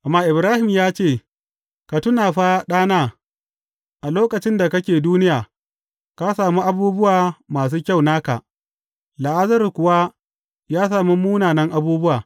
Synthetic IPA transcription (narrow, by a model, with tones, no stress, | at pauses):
ʔa˨mːaː˦ʔɪ˨bɾaː˦hɪ˨mjaː˦t͡ʃeː˦˨ | ka˨tʊ˦naː˨ɸa˦ɗaː˦naː˦ | ʔa˨loː˦kɐ˨t͡ʃɪ˦nda˨kɐ˦kʲeː˨duː˦nɪ˦jaː˨ | ka˦saː˨mu˦ʔa˨buː˦bʊ˦waː˨maː˨s̬uː˦kʲa˦˨wnaː˦ka̰˨ʔ | la˨ʔa˦zɐ˦rkʷʊ˨wa˦ | jaː˦s̬aː˨mu˦muː˦naː˨nɐ˦ŋʔa˨buː˦bʊ˦waː˨